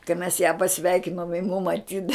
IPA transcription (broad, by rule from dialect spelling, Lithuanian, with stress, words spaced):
kɐɪ mʲɛs jæː pɐˈsʲʋʲɛɪkʲɪnoːm jɪ mʊm ɐˈtʲiːdɐ